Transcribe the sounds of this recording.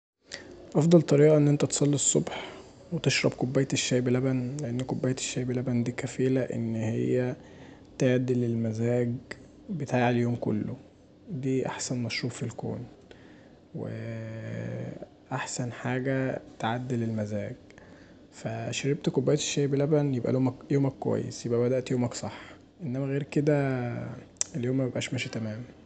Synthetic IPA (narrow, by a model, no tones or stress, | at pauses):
ʔɑfd̪ˤɑlt̪ˤɑɾiːʔɑʔenːʔent̪æt̪e̥sˤɑlːisˤːo̰bħ | wet̪eʃɾˤɑbkobːæjt̪eʃːæːjbelæbænleʔenːkobːæjæt̪e̥ʃːæːjbelæbænd̪iːkæfiːlæʔḛnːhḛjːæ | t̪eʕad̪ːilelmæzæːɡ | bet̪aːʕeljoːmko̰lːo | d̪iːʔa̰ħsænmæʃɾuːffilko̰ːn | wḛ | ʔaħsænħaːɡæt̪ʕad̪ːelelmæzæːɡ | fæʃeɾeb̚t̪kobːæjt̪e̥ʃːeːbelæbænjebʔæ̰loːmæjoːmækːowæ̰jːḛsjebʔæbæd̪æʔt̪joːmæksˤɑħ | ʔenːæmæɣeːɾked̪æ | eljoːmːæbebʔæːʃmæːʃit̪æmæːmæ